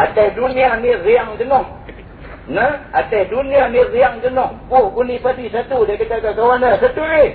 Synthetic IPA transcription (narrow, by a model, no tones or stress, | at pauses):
at̪adunianiriaŋkənɔh | nəat̪adunianiriaŋkənɔhbʊhɡunipadisat̪udakət̪akakawanasat̪ue